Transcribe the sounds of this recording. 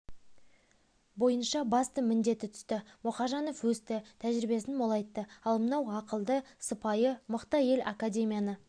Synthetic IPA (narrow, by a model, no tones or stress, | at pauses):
bo̞jənʃɑbɑst̪əmɪnd̪e̞t̪ɪt̪ʰʏ̥st̪ɪmʊχɑʒɑno̞fwɵst̪ɪt̪ʰæʒɾibe̞sɪnmo̞lˠɑjt̪ːəɑlˠmənɑwɑqəlˠd̪əsəpɑjəməqt̪ɑje̞la̰kadʲe̞mʲijanə